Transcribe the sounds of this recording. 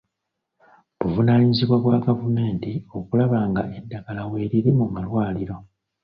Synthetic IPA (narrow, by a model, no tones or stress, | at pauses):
βuvunaːɲiziβwaβwaɡavume̞ːntio̞kulaβaːŋɡae̞dːaɡ̥alawe̞ːɾiɾimumalwaːliɾo̞